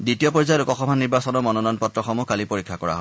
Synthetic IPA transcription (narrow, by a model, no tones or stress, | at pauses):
ditiɔpɔɹzajɔlukɔxɔmʱaniɹbasɔnɔɹmɔnɔnɔnpɔtɹɔxɔmukalipoɹikʰːakɔɹa̰ɦɔ